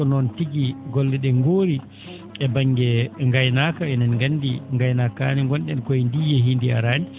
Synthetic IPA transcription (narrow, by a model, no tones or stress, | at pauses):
ɔnɔntiɡiɡɔlːɛɗɛŋɡoːɾi | ɛbaŋːɡɛŋɡajnakaɛnɛnɡanːdiŋɡajnaka̰niŋɡɔnɗɛnkɔndijɛɦindia̰ɾaːni